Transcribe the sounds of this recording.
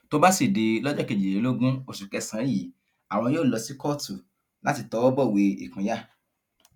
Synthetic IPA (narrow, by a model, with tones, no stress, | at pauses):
to˦ba˦si˦˨de˧lɔ˦d͡ʒɔ˦ke˧˨d͡ʒi˨e˨˦lo˦ɡũ˦o˧˨ʃu˨kɛ˧sã˨˦ji˨˦ | a˨w̃ɔ̃˧˦joː˦˨lɔ˧si˦kɔ˦tu˨ | la˦ti˧˨tɔ˨˧˦wɔ˦bɔ˦˨we˧ḭ˨kũ˨˦ja˦˨